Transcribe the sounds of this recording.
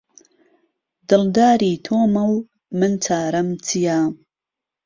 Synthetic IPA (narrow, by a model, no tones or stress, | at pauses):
d̪̥ɨld̪aːɾiːt̪ʰoːmɐw | mɨnt͡sʰaːɾɐmt͡sʰijaː